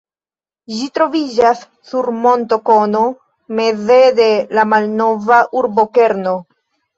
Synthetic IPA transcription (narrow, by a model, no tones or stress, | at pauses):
ʒitɾo̞vid͡ʒasːuɾmo̞nto̞ko̞no̞ | me̞zede̞lamalno̞vaʔuɾbo̞ke̞ɾno̞